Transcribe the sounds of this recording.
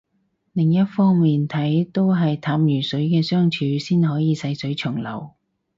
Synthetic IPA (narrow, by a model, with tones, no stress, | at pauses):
lɪ˨˩ŋjɐ˥t̚fɔː˥ŋmiː˨nt̪ʰɐ˨˥jt̪o˥wɦɐ˨jt̪ʰaː˨˥mjyː˨˩sɵ˨˥ɥkɛː˧sœː˥ŋt͡ʃʰyː˨˥siː˥nhɔː˨˥jiː˨˧sɐ˧jsɵ˨˥ɥt͡ʃʰɵ˨˩ŋlɐ̰˨˩w